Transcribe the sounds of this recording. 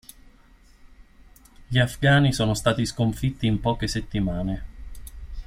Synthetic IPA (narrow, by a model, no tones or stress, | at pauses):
ʎiafɡaːnisɔːnost̪aːt̪iskoɱfit̪ːiːmpɔːkeset̪ːimaːne